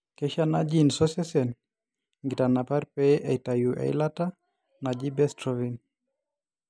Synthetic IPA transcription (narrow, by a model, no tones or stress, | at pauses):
kɛʃanad͡ʒinsɔsɛsɛn | ŋɡitanapaɾpɛʔɛtajuʔɛ̰lata | nad͡ʒibɛstɾɔvin